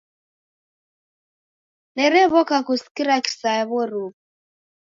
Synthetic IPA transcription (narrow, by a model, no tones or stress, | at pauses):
nɛɾɛβɔkakuskiɾaki̥saβɔɾuβ